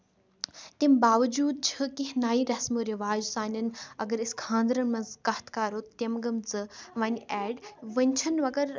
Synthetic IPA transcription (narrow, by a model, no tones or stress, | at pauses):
t̪imbaːʋɐd͡ʒuːd̪̚t͡ʃʰɨkiɦnaːiɾɐsmoɾiʋaːd͡ʒsaːnʲɐnɐɡɐɾiskʰãːnd̪ɾɐnmɐ̃nzkɐht̪kaːɾoːt̪emɡɐmt͡sɨʋɐnʲɛːɖʋɐnʲt͡ʃʰɐnʋɐɡɐɾ